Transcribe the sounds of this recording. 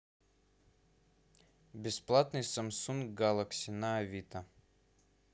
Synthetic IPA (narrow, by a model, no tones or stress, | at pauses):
bʲɪsplˠat̪nɨjsɐmsunkɡalˠəksʲɪnaːvʲit̪ɐ